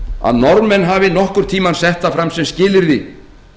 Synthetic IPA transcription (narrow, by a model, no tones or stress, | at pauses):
a̰ðnɔɾmɛnɦavɪnɔhkʏɾ̥t̪ʰiːmansɛht̪afɾamsɛmscɪːlɪɾði